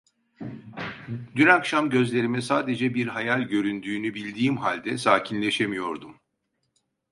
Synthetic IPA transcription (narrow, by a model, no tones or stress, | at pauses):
d̪ynakʃamɟø̞zlʲe̞ɾimɛsaːd̪e̞d͡ʒɛbiɾɦajalʲɟø̞ɾynd̪yːnybilʲd̪iːmɦalʲd̪ɛsaːcʰinlʲe̞ʃemijo̞ɾd̪um